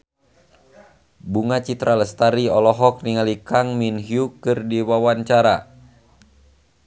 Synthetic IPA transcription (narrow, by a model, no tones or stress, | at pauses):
buŋat͡ʃit̪ɾaləst̪aɾiɔlɔɦɔk̚niŋalikaŋminɦiukɨrdiwawant͡ʃaɾa